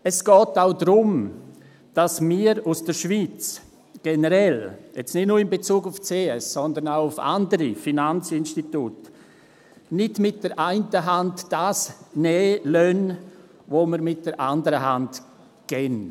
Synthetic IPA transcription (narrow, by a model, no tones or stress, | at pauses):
ɛsɡ̥ɔːtaʊdɾʊm | d̥asmiːɾusd̥əɾʃv̥iːt͡s | ɡ̥enəɾɛljɛt͡snɪtnuːɾɪmbet͡suːɡʊft͡seːɛsɔndənaʊʊfa̰ndəɾifinant͡sɪnʃtitut | nɪdmɪt̚d̥əɾʔaɪntəɦantd̥aːsnɛːlœn | voməɾmɪt̚d̥əɾʔa̰ndəɾəɦant | ɡ̥ɛn